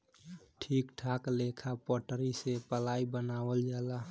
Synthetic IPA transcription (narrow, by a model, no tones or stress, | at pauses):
ʈʰiːkʈʰaːkleːkʰapɔːʈəɾisepəlaːibənaːwəld͡ʒaːlaː